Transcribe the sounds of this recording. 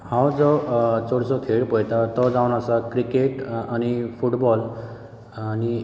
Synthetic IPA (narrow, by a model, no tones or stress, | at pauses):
hãwd͡zɔt͡sɔɽsɔk̪ʰeɽpɔjt̪at̪ɔd͡zawnasakɾikeʈañipʰuʈbɔl | ani